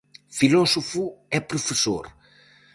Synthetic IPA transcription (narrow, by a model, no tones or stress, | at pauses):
filɔsofuɛpɾufeso̰ɾ